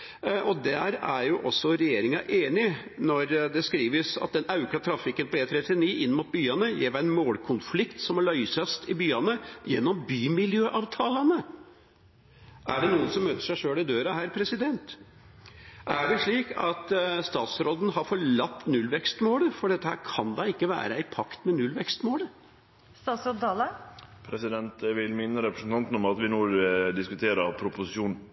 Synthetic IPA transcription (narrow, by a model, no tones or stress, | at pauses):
ʔɔd̪ɛhæɾæɾjʊʔɔsːɔɾɛjeːɾɪŋɑ̰ʔeːnɪnɔɾd̪ɛskɾiːʋəsɑ̰t̪̚d̪ɛnɑʉkɑt̪ʰɾɑfɪkənpɔeːt̪ʰɾɛt̪ɪniːʔɪnːmʊt̪̚byːɑnəjɛ̰ːʋæɛnmoːlkʰʊnflɪkt̪sɔmɑɭœʏsɑst̪ɪbyːɑnəjɛnːɔmbyːmɪljøːʔɑːʋt̪ʰɑːlɑnə | ʔæɖɛnuːənsɔmːøːt̪ə̥ʂæɪʂøːɽɪd̪øːɾɑhæːɾpʰɾɛsɪd̪ɛnt̪ | ʔæɖɛʂɭiːkɑ̰t̪st̪ɑːt̪sɾoːd̪n̩ɦɑɾfɔɭɑt̪ːnʉlʋɛkst̪moːləfɔɖɛt̪ːəhæ̰ːɾkʰɑnd̪ɑɪkːəʋæ̰ːɾəæɪpʰɑkt̪mɛnʉlʋɛkst̪moːlə | st̪ɑːt̪sɾoːd̪ɑləpʰɾɛsɪd̪ɛnt̪ʋɪlmɪnːəɾɛpɾəsn̩t̪ɑnt̪n̩ɔmɑt̪ʋɪnuːd̪ɪskʉt̪ʰeːɾəpʰɾʊpʊsɪʃuːn